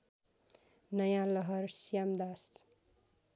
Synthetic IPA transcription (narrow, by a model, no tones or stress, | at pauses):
nʌjãlʌɦʌrsjamd̪as